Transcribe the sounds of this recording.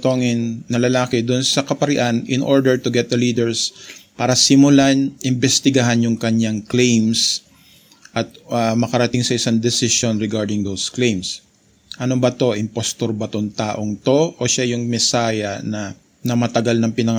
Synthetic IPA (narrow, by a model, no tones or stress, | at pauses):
t̪oŋɪnːɐlɐlaːkɪd̪ʊnsɐkɐpɐɾɪʔanʔɪnʔoɹd̪ɛɹt̪ʊɡɛt̪̚d̪ɐliːd̪ɛɹspaːɾɐsɪmʊlanʔɪmbɛst̪ɪɡɐɦanjʊŋkɐɲaŋklejms | ʔɐt̪̚ɐmɐkɐɾɐt̪ɪŋsɐʔɪsaŋd̪ɛsɪʃonɹɛɡaɹd̪ɪŋd̪owsklejms | ʔɐnobɐt̪o̞ʔɪmpost̪oɾbɐt̪oŋt̪aːʔo̞ŋt̪o̞ʔoʃajʊŋmɛsaːjɐnɐ | nɐmɐt̪ɐɡalnɐŋpɪnɐŋ